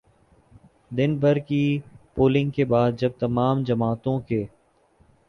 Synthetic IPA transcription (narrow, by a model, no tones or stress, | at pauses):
d̪ɪnbəɾkiːpoːlɪ̃ŋɡ̚keːbaːd̪̚d͡ʒəb̚t̪əmaːmd͡ʒəmaːt̪õːkeː